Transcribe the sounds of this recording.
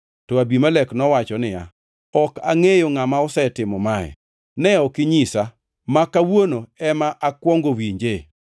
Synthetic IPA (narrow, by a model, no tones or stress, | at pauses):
tɔabimalɛknɔwat͡ʃɔnɪja̰ | ɔkaŋejoŋamaɔsɛtɪmɔmaɛ̰ | nɛɔkɪɲisa | makawonoɛmaʔakwɔŋɡowiɲd͡ʒe